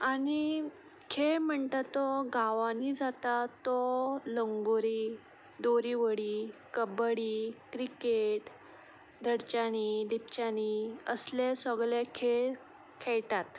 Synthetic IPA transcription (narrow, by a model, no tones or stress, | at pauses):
ani | kʰeɭm̤əɳt̪at̪ːɔɡaʋãnid͡zat̪at̪ːɔləŋɡoɾiː | d̪oɾiʋəɽiːkəbəɽikɾikeʈ | d̪ʱəɽt͡ɕanid̪ip̚t͡ɕaniəslesɔɡɭekʰeɭ | kʰɛɭʈat̪